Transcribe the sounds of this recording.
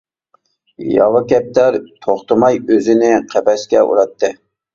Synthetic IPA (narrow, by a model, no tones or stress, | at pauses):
jɑ̰lɑkʲɛp̚t̪æɾt̪ʰoχt̪ɨmɑjøzɪnɪqʰɛpɛskʲɛʔṵɾɑt̪ʰːɨ